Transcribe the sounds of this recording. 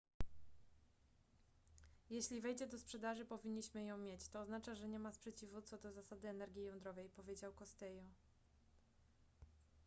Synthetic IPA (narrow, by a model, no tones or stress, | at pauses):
jɛɕlʲivɛjd͡ʑɛd̪ɔspʂɛd̪aʐɘpɔvʲiɲːiɕmɘjɔ̃w̃mʲjet͡ɕt̪ɔːznat͡ʂaʐɛɲɛmaspʂɛt͡ɕivut̪sɔd̪ɔzasad̪ɘɛnɛɾɡʲjijɔnd̪ɾɔvɛjpɔvʲjed͡ʑawkɔst̪ɛjɔ